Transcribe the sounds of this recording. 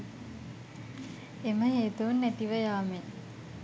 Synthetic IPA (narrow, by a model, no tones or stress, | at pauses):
eməɦeːt̪unːæt̪iʋəjaːme